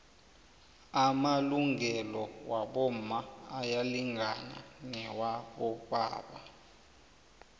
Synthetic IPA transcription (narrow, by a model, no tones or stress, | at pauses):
amaluŋʱɛlɔwaɓɔm̩aajaliŋʱana̰nɛwaɓɔɓa̰ːɓa